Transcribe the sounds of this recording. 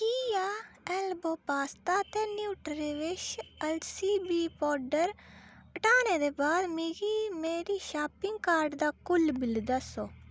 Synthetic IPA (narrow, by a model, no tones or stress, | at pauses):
kiːjaːɛːlboːpaːst̪aːt̪eːnjuːʈɾeːʋɪʃɛlsiːbiːpɔːɾɖəɾəʈaːneːd̪eːbaːd̪miɡiːmeːɾiːʃaːpɪŋɡkaːɾɖd̪aːkʊlbɪld̪asoː